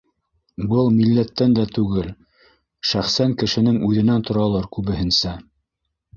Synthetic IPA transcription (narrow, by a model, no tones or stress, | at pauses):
bɤlˠmilːæt̪ːænd̪æt̪ʉɡɘl | ʃæχsæŋkɘ̆ʃɘ̆nɘŋʉðɘ̆nænt̪ŏɾɑlˠɤɾkʉβɘ̆ɦɘ̆nsæ